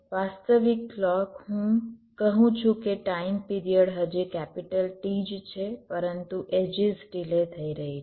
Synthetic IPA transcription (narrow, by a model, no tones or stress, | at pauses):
ʋast̪əʋiklɔkɦũkəɦũt͡ʃʰũkeʈaimpiɾijəɽɦəd͡ʒekɛpiʈəlʈid͡ʒt͡ʃʰepəɾənt̪uʔed͡ʒizɖilet̪ʰəiɾəɦi